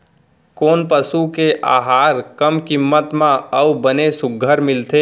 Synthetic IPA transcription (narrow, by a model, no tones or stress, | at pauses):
koːnpəsukeʔa̰ːɦaːɾkəmkɪmːət̪mãəwbənesʊɡʱəɾmɪlt̪ʰe